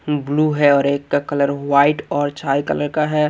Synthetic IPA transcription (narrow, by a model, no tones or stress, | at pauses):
bluːɦɛɔːɾeːkːakələɾʋaːɪʈɔːɾt͡ʃaːjkə̰ləɾkaɦɛ